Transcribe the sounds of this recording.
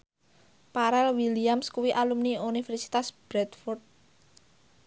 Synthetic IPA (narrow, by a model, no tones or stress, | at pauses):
paɾɛlwiliamskuwiʔalumniunifɛrsi̥t̪asb̥ɾɛt̪fɔrt̪̚